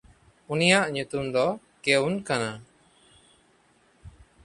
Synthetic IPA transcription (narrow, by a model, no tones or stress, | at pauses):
unijaʔɲut̪umd̪ɔ | keunkana